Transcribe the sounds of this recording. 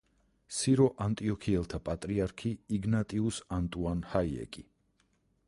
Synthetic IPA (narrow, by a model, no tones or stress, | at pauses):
siɾɔʔant̪ʼiɔkʰiɛlˠt̪ʰapʼat̪ʼɾiaɾkʰiiɡnat̪ʼiusant̪ʼuanhaiɛ̰kʼi